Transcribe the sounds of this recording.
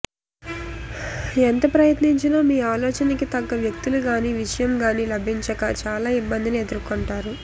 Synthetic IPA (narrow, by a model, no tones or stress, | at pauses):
ent̪ɐpɾɐjɐt̪niɲt͡ʃiloːmiːaːlɔːt͡ʃɐnɐkit̪ɐɡːɐʋjɐk̚t̪uluɡaːniːʋiʂɐjɐmɡaːniːlɐbʱiɲt͡ʃɐkɐt͡ʃaːlaːibːɐnd̪inie̞d̪uɾkoɳʈaːɾu